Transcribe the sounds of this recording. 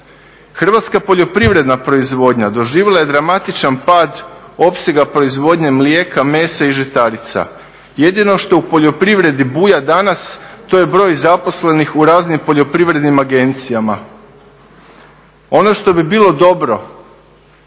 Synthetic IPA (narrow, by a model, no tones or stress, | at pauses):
xr̩ʋat̪skapo̞ʎo̞pɾiʋɾe̞d̪napɾo̞izʋo̞ːd̪ɲad̪o̞ʒiːʋelˠaje̞d̪ɾamat̪it͡ʃanpaːd̪o̞pse̞ɡapɾo̞izʋo̞d̪ɲe̞mlje̞ːkʰame̞ːsaiʒet̪aɾit̪sa̰ | je̞d̪ino̞ʃt̪o̞upo̞ʎo̞pɾiʋɾe̞d̪ibuːjad̪anast̪o̞je̞bɾo̞ːjzapo̞sle̞nixuɾaːznimpoʎo̞pɾiʋɾe̞d̪nimaɡe̞nt̪sijama | o̞noʃt̪o̞bibiːlo̞d̪o̞bɾo̞